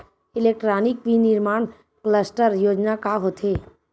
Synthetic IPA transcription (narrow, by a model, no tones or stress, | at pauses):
ilek̚ʈɾanikʋiniɾmaɳ | kləsʈəɾjoːd͡ʒnakaɦot̪ʰe